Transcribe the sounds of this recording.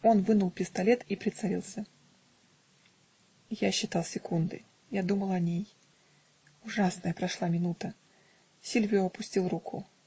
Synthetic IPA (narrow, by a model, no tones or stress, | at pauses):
o̞nvɨnʊlˠpʲɪst̪ɐlʲet̪ipɾʲɪt̪sɐɾʲḭlˠsʲə | jaɕːɪt̪alˠsʲɪkund̪ɨ̰ | jad̪uməlˠɐnʲej | ʊʐasnəjəpɾɐʂlˠamʲɪnut̪ə | sʲilʲvʲjʊɐpʊsʲtʲilˠrukʰʊ